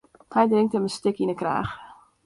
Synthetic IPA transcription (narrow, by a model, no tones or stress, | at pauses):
hɛjdrɪŋk̚təməstɪkinəkra̰ːx